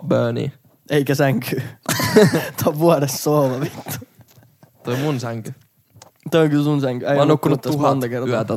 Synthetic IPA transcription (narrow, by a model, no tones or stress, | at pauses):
bøːnḭ | eikæsæŋkʰyː | t̪ɑʋʋuɑɾesːoːlɑʋit̪ːu̥ | t̪oimunsæŋky | t̪ooŋkysunsæŋkyæjnːukːunut̪ːæuhɑnt̪ekerɑyæt̪æ